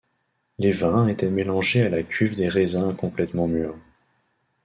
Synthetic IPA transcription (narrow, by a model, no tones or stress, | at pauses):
levɛ̃et̪ɛmelɑ̃ʒealakʲʰyvd̪eʁezɛ̃kɔ̃plɛt̪mɑ̃myʁ